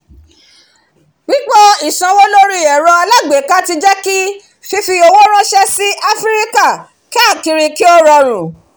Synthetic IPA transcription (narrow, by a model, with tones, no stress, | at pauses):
ɡ͡bĩ˦k͡pɔ˦i˦˨sã˨˧wo˦lo˦ɾi˦˨ɛ˨ɾɔ˧a˧la˦ɡ͡be˨˦ka˦ti˧d͡ʒɛ˦ki˦ | fi˧˦fi˧o˧wo˦ɾ̃ã˦ʃɛ˧si˦ʔa˧fɾɾi˦ka˦˨ | ki˦a˦˨ki˧ɾi˧ki˦ɔ˦ɾɔ˧ɾ̃ũ˨